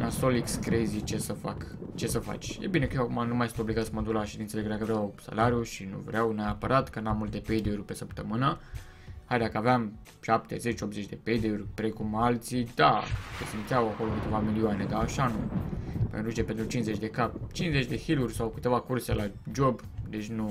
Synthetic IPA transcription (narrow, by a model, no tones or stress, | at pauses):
nasolikskɾejzit͡ʃesəfa̰kt͡ʃe̞səfa̰t͡ʃʲjḛbine̞kəjewakumanumajsɨnt̪o̞bliɡat̪səmod̪ulaʃed̪int̪səlekəd̪akəvɾeawsa̰laɾjuʃinṵvɾeawneapəɾat̪kənamːult̪e̞pe̞jd̪eurʲpe̞səpt̪əmɨnə | hajd̪akəaveam | ʃapt̪e̞ze̞t͡ʃo̞p̚zet͡ʃʲd̪e̞pe̞jd̪eurʲpɾe̞kumalt̪sid̪akəsint̪jawakoɾokɨt̪evamilioane̞d̪aːʃanupḛnɾut͡ʃepent̪ɾut͡ʃinzet͡ʃʲd̪e̞kapt͡ʃinze̞t͡ʃʲd̪ekilurʲsawkɨt̪e̞vakurse̞lʔad͡ʒo̞b | d̪e̞t͡ʃʲnu